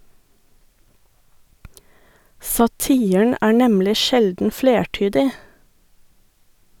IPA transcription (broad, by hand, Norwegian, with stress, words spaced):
sɑˈtiːən ˈæː ˈɳɛmlɪ ˈʃɛldn̩ ˈfleːˌʈyːdɪ